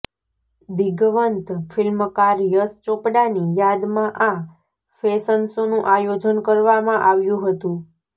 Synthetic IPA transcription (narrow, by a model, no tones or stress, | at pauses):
d̪iɡʋənt̪fɪlməkaɾjəst͡ʃopɽanijad̪mãʔã | fesənsonũʔajod͡ʒənkəɾʋamãʔaʋjũɦət̪ũ